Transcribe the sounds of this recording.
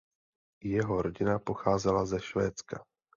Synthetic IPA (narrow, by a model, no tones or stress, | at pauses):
jɛɦo̞ɾoɟɪnapo̞xaːzɛlazɛʃvɛːt͡ska